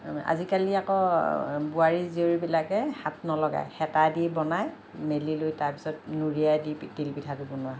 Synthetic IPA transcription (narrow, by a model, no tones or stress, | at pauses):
a̰zikaliakɔ | buaɹizioɹibilakɛhat̚nɔlɔɡa̰jxɛtadibɔnaj | melilojtaɹpi̥sɔt̚nuɹijajdidilpitʰatʊbɔnʊa